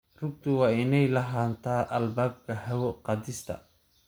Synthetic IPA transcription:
rʊɡ̚t̪ʰʊwɑːɪnɛjlɐɦaːnt̪ʰaːʔɐlbaːb̚kʰɐhɐwɔqɑd̪ɪst̪ʰɐ̰

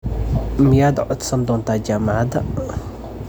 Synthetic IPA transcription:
mɪjaːd̪ʕɔd̪sɐnd̪ɔːnt̪ʰaːd͡ʒaːmɑʕad̪ɐ

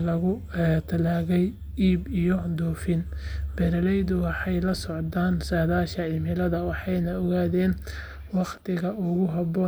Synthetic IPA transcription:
lɐɣʊ | t̪ʰɐlaːɣɛj | iːbijɔd̪ɔːfɪnb̥ɛɾɐlɛjðʊwɑħɑjlɐsɔʕd̪aːnsaːðaːʃɐɪmɪlɐðɐwɑħɑjnɐɔɣaːðɛːn | wɑqt̪ʰɪɣɐʔʊɣʊɦɐbɔː

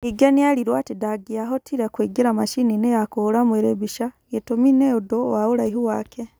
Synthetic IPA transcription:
iɡenialiɾwaːtidaɡiaɦotʰiɾakwiːɡiɾamaʃininejakolamweɾebiʃajetomineudowawulaiɦuwaːke

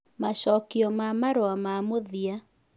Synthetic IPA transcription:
maɕɔːkiɔmamaɾoamamoðia

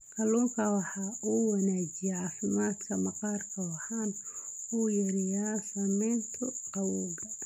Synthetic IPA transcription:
kʰɐluːŋkʰɐwɑħɑːʔuːwɐnaːd͡ʒɪjɛʕɑːfɪmaːt̪kʰɐmɐqɑːrkʰɐwɑhaːnuːjɐɾɛjaːsɐmɛːnt̪ʰʊqɐwɔːɡɐ

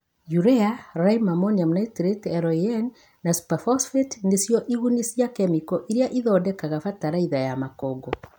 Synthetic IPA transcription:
juɾɛaɾaimamɔniamnaitɾetɛɾɔɛn | nasu̥pafɔsfetnesjɔʔiɣunisjakɛmikɔʔiɾeaʔiðɔːdɛkaɣafataɾaiðajamakɔːɡɔ

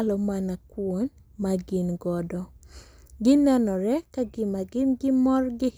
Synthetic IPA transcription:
lɔmanakwon | maɡɪnɡɔdɔ | ɡɪnɛnɔɾɛkaɡɪmaɡɪnɡɪmɔrɡɪ

